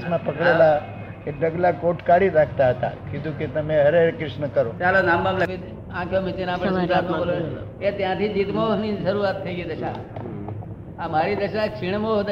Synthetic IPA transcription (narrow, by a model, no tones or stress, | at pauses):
smãpəkɽela | keɖʱəɡlakoʈkaɽiɾaːkʰt̪aɦət̪a̰kĩt̪ũket̪əmẽɦɐɾeɾkɾɪʃnəkəɾot͡ʃalonãːmbamləi | ãkʰjomɪt͡ʃenaːpɽesat̪mõbolo | et̪jãt̪ʰiːd͡ʒit̪monĩsəɾuat̪ʰːəiɡid̪əʃa̰ | amaːɾid̪əʃat͡ʃʰɪɳ̃moɦd̪